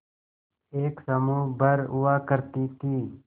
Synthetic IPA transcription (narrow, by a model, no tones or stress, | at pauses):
eːksəmuːbəɾuwaːkəɾt̪iːt̪iː